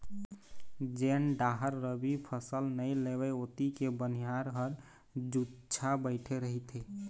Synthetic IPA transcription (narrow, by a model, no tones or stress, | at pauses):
d͡ʒenɖaɦəɾːəbipʰəsəlnəjleβɛot̪ikebənijaɾɦəɾ | d͡ʒut͡ʃʰabəɪʈʰeɾəɦit̪ʰe